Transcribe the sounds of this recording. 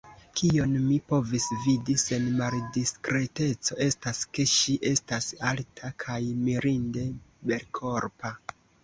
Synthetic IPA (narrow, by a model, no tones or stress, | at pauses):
kʰio̞nmipo̞visvidise̞nmaldiskɾe̞te̞t͡so̞e̞staske̞ʃiʔe̞stasaltʰakʰajmiɾinde̞be̞lkʰo̞ɾpa